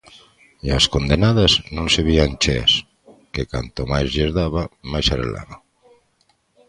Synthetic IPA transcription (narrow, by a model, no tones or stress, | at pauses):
iaskond̪enað̞aznõnseβiant͡ʃɛ̰s | kekant̪omajzʎeɾðaβamajsaɾḛla̰βa